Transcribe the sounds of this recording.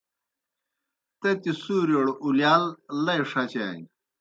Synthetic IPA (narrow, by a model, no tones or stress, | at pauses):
t̪et̪isuːɾioɽuljaːlːɐjʂɐt͡ɕa̰ːji